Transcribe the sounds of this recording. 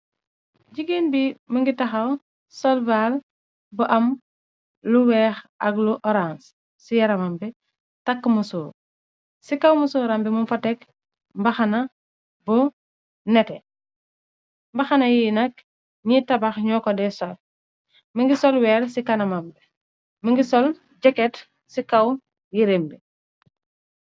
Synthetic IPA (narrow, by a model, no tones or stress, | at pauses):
ɟiɡinbimɐŋɡitɐxɐw | sɔlval | buʔɐm | luwɛːxɐɡluʔɔɾans | sijɐɾɐmambɛ | tɐkːmusuː | sikɐwmusoːɾambɛmunfɐtɛk | mbɐxɐnɐ | bɔ | nɛtɛ | mbɐxanɐjinɐk̚ | ɲitabaxɲɔːkɔdɛsɔl | məŋɡisɔlwɛːɾsikanɐmambɛ | məŋɡisɔl | d͡ʒɛkɛt | sikaw | jiɾembɛ